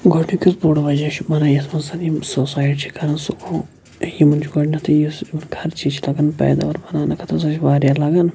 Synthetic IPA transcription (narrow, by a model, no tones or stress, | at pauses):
ɡoʈʰnikisboɽʋɐd͡ʒat͡ʃʰibɐnaːjɐt̪ʰmɐnsɐnisosaːjʈt͡ʃʰi̥kɐɾɐnsukʰo | jimɐnt͡ʃʰɡoʈnʲɐt̪ʰɐjismɐnkʰɐɾt͡ʃit͡ʃʰilɐɡɐnpɛ̰ːd̪a̰ʋɐɾbɐnaːnɐkʰɐt̪ʰɐs̬ɐt͡ʃʰʋaːɾjalɐɡɐn